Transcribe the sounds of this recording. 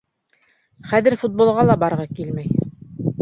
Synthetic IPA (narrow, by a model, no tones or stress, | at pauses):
χæðɘɾfut̪̚bolˠʁɑlˠɑbɑɾʁɑkilmæj